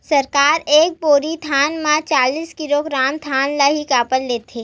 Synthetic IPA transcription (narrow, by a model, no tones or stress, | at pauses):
sɐɾkaːɾeːk̚poːɾit̪ʰaːnmãt͡ʃaːliːskɪloːɡɾaːmt̪ʰaːnlaɦikaːpəlleːt̪ʰeː